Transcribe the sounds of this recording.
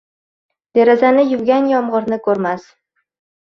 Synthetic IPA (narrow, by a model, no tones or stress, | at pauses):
d̪̥eɾazanɪjʊvɡʲanjɒmʁɨɾnɪkʰɵɾmas